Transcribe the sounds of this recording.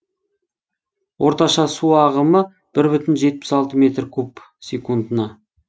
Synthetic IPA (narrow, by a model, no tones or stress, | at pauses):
wʔo̞ɾt̪ɑʃɑsuɑʁəmə | b̥ɪɾbʏt̪ɪnʒe̞t̪̚pɪ̥sɑlˠt̪əme̞t̪rkʲʰɵp | sʲekund̪ənɑ